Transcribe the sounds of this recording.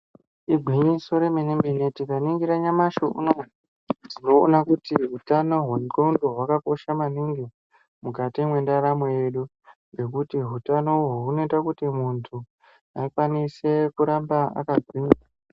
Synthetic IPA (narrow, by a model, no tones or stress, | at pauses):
iɡʱwiɲiso̞ɾemenembenetikaniŋɡiɾaɲamaʃoʔṵno | d͡zino̞̰ːnakutiɦutano̞ɦunkoundo̞ɦwakako̞ʃamaniŋɡi | mukatimwe̞ndaɾamejeɗu | ɡe̞k̬utiɦutano̞ɦuuno̞itakutimuntʰu | akwanise̞kuɾambaa̰kaɡʱwiːɲa